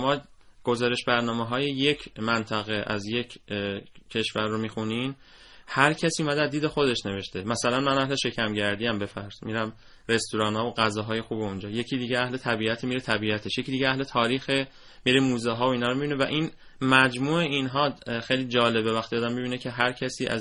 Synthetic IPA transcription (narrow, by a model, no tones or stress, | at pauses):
mɒːɡ̥o̞zɒːɾe̞ʃbæɾnɒːmeɦɒːjeje̞cʰmænt̪ʰæɣe̞ʔæ̰zje̞cʰ | cʰːe̞ʃvæɾːomiːxunin | hæɾcʰæsiːumæd̪eæzd̪iːd̪e̞xo̞d̪e̞ʃne̞ve̞ʃt̪e̞mæsælænmænæɦle̞ʃe̞cʰæmɟæɾd̪iæmbe̞fæɾz̥miɾæm | ɾe̞st̪uɾɒːnhɒːvoɣæzɒːɦɒːje̞xuːbeund͡ʒɒːje̞cʰiːd̪iːɟeæhle̞t̪ʰæbiæt̪ʰemiɾet̪ʰæbiæt̪ʰe̞ʃjecʰiːd̪iɟeæhle̞t̪ʰɒːɾiːxe | miɾemuːzɛɦɒːoinhɒːɾomibinevæʔin | mæd͡ʒmuːe̞inɦɒːxejlid͡ʒɒːle̞bevæxt̪iɒːd̪æmːibiːnecʰeɦæɾcʰæsiːʔæ̰z